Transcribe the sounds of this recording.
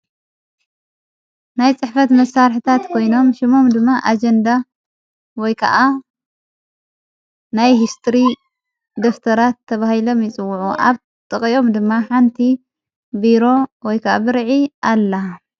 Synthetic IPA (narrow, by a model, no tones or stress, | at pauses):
najt͡sʼɨħfɐt̪mɐsːaɾħit̪ʰat̪kʰo̞jno̞mʃimo̞md̪ɨmːaʔad͡ʒɐnd̪a | wɔjkʰɐ̰ʔa | najhist̪ʰɾi | d̪o̞ft̪ʰɐɾat̪ʰːɐβahilo̞mjɪt͡sʼɨwːʊʕuʔa̰β | t̪ʼɨχʼio̞md̪ɨmːaħant̪ʰi | biɾo̞wɔjkʰɐʔabɨɾʕiʔalːɐ